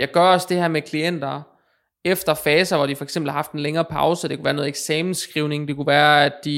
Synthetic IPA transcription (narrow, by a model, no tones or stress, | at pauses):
jɑ̈ɪɡ̥ɶɐɒ̽sd̥e̝hæɐmekʰlien̰d̥ɐ | efd̥ɐfɛːsɐʋɒɾ̥ifɒ̽eɡ̥sembl̩hɑ̈fd̥enleŋɐːpʰɑ̈ʊsəd̥e̝kuʋæːɐno̽ð̩ˠeɡ̥sɛːmn̩sɡ̥ʁiʊne̝ŋd̥e̝kuʋæːɐæd̥ːi